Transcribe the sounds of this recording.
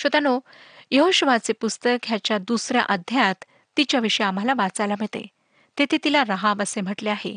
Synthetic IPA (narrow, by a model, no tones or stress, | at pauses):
ɕət̪ano | jəɦoɕəʋat͡sepust̪əkʰjat͡ɕjad̪usɾja̰ʔəd̪ʱjat̪ː | it͡ɕjaʋiʂəjam̤alaʋat͡sajlam̤əɭt̪ḛ | t̪et̪ʰet̪ilaɾəɦãʋəsem̤əʈleaɦḛ